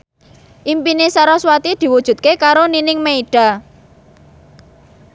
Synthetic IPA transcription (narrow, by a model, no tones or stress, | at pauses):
ʔimpinesaɾɔswat̪id̪̥i̤wud̥ʒ̥ṳt̪̚kekaɾoninɪŋmeiɖ̥a̤